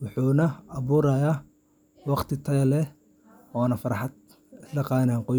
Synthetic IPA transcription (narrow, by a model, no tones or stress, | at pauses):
wʊħuːnɐɑβuːɾɐjaː | wɑqt̪ʰɪt̪ʰɐɣɐlɛ | ɔːnɐfɐɾɑħɑd̪ | lɐqɑːnaːŋqɔ